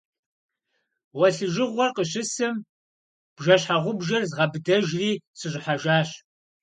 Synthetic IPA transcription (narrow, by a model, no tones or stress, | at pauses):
wɐɬɨʒɪʁʷɔrqəɕɪsɨm | b̥ʒɐɕħaʁʷʊbʒɐrzʁɐbɨdɐʒriːsɨʑʷʼɪħaʒaːɕ